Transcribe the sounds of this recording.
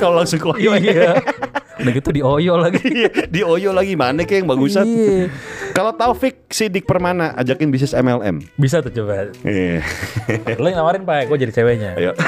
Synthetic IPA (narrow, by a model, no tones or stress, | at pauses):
kalolaŋsʊŋkojoa | naɡit̪udiojɔlaɡijadiojɔlaɡimanɛkajaŋbaɡusa | kalat̪afɪk̚sidɪk̚pərmanaʔa̰d͡ʒakɪnbis̬ɪsɛmɛlɛ̰mbis̬at̪ut͡ʃəbat̪ḭ | loŋlamaɾɪnpaɛɡuad͡ʒadit͡ʃeweɲa̰ja̰